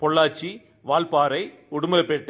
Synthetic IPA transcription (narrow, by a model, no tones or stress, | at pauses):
pɔɭːaːt͡ʃːi | ʋaːɭpaːɾɐɪ | ʊɽʊmɐlɐpːeːʈː